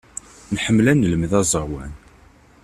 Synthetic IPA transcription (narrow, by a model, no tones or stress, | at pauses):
nħəmːlænːələmðæzˤəɾwæn